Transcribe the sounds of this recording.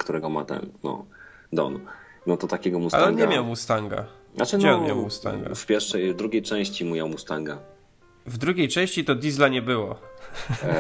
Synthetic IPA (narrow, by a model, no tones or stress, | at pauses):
kt̪uɾɛɡɔma̰t̪a̰nnɔ̰ | d̪ɔ̰n | nɔt̪ɔt̪akʲɛɡɔmusa̰lɛɔnŋɲɛmʲjawmust̪aŋɡa̰nat͡ʂd͡ʑɛɔnmʲja̰wmust̪a̰ŋɡa̰fpʲjɛɾfʂɛjvd̪ɾuɡʲejt͡ʂɛ̃w̃ɕt͡ɕimumʲjawmust̪aŋɡa | vd̪ɾuɡʲejt͡ʂɛ̃w̃ɕt͡ɕit̪ɔd̪ʲizlaɲɛbɘwɔ